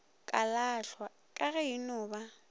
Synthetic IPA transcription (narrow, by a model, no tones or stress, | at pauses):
kʼalaɬwa | kʼaɣɛinʊːba